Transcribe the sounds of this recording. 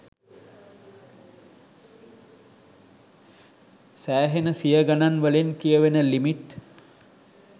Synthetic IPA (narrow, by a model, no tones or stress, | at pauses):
sæːɦenəsijəɡananʋəlenkijəʋenəlimiʈ